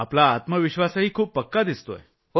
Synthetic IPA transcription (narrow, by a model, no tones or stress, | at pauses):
aplaːt̪məʋiɕʋasaɦiːkʰuːppəkːad̪ist̪o̰e